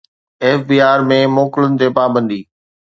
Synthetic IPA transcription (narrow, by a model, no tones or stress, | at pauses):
eːfbiːaːɾmẽmoːkɪlənɪ̆t̪eːpaːbə̃nd̪iː